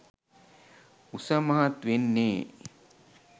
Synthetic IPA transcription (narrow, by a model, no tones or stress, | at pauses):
usɐmɐɦɐt̪ʋenːeː